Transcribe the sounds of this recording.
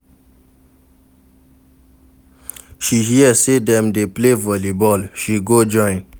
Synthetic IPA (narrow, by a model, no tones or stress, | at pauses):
ʃiɦiəsedɛ̃mdeplevəlibɔlʃiɡod͡ʒɔ̃j̃n